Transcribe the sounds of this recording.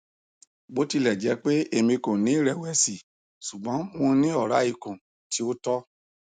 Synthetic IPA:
ɡ͡bo˨˦ti˧lɛ˨d͡ʒɛ˨˦k͡pe˦e˧mĩ˧kõ˨nĩ˨˦˨ɾɛ˨wɛ˨˧si˨ | su˨ɡ͡bɔ̃˨˦mõ˧nĩ˦ɔ˦˨ɾa˨˦i˦˧˨kũ˨ | ti˧˦o˦tɔ˦

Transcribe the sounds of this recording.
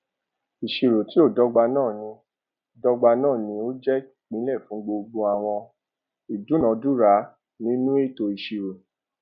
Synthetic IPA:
i˨ʃi˧ɾo˨ti˨˦o˦˨dɔ˦ɡ͡ba˧nãː˦˨nĩ˧˦ | dɔ˦ɡ͡ba˧nãː˦˨nĩ˧˦o˦d͡ʒɛ˦˨k͡pĩ˨˦lɛ˦˨fũ˨˦ɡ͡bo˧ɡ͡bo˧a˨w̃ɔ̃˧ | i˨du˨˦nɔ̃˨˧˦du˦ɾa˨˦ | nĩ˦nũ˦e˦˨to˧i˨ʃi˨ɾo˨

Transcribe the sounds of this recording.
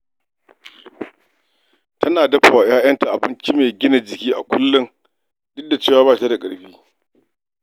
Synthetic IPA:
tʰɐ˦naː˨dɐ˦ɸa˨waː˨jaː˦jɐ˦nta˨ʔa˨bɪ˦nt͡ʃi˦meː˨ɡʲɪ˦na˨d͡ʒɪ˨kʲiː˦ʔa̰˨kʷʊ˦lːʊ˦ŋ | dʊ˦da˨t͡ʃeː˦˨waː˦baː˦ta˦da˨kʼɐ˨ɽɸiː˦

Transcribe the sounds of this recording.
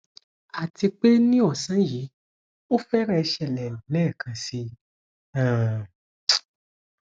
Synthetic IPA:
a˨ti˧k͡pe˦nĩ˦ɔ˦˨sã˦ji˨˦ | o˦fɛ˦ɾɛ˦˧ʃɛ˧˨lɛ˨lɛː˦˨kʰã˧si˧ | ã˨

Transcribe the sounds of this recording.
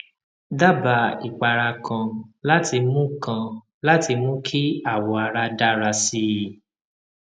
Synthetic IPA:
da˦ba˨i˨k͡pa˨ɾa˧kʰã˧la˦tʰi˧mũ˦kã˧ | la˦ti˧mũ˦kʰi˦a˦˨wɔ˨a˨ɾa˧da˦ɾa˧si˦˨

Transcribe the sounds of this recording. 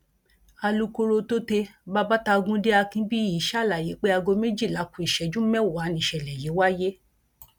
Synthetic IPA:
a˧lu˦ko˧ɾo˧to˦te˧ba˦ba˦ta˧ɡũ˦de˦a˧kĩ˦bi˦i˨˦ʃa˦˨la˨je˨˦k͡pe˦a˧ɡo˧me˦d͡ʒi˦˨la˨˦kũ˧˦i˨ʃɛ˨d͡ʒũ˦mɛ̃˦˨a˨˦nĩ˧˨ʃɛ˨lɛ˨je˨˦wa˦je˦

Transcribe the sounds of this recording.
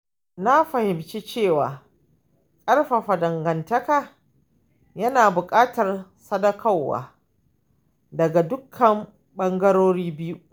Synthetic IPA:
na˦ɸɐ˨hɪ˨mt͡ʃe˦t͡ʃeː˦˨waː˨ | kʼɐ˦rɸa˨ɸa˨dɐ˨ŋɡɐ˨ntɐ˦ka˨ | jɐ˦naː˨bʊ˨kʼaː˦tɐ˨r | sɐ˦dɐ˦kʰa˦˨wːa̰ː˨ | dɐ˨ɡa˨dʊ˦kʰːɐ˨m | ɓɐ˦ŋɡɐ˦ɾoː˦ɾiː˦bɪ˦ju˦

